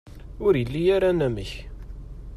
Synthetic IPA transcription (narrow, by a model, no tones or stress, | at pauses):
ʊɾjəlːijaɾanæməç